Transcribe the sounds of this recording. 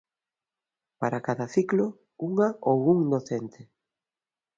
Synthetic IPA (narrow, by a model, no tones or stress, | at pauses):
paɾakaðɐθiklo | uŋaʔowuŋnoθent̪e